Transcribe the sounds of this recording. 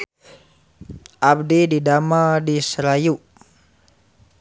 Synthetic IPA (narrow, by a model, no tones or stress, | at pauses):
ʔabdididamadisɾajuʔ